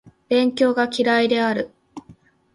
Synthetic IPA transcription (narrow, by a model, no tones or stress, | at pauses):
b̥ẽ̞ŋkʲo̞ːɡakʲiɾaid̪e̞aɾɯ̟